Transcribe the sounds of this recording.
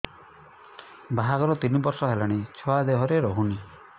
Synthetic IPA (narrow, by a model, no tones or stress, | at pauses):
baɦaɡɔɾɔt̪inibɔɾsɔɦelaɽ̃it͡ʃʰɔad̪eɦɔɾeɾɔɦuni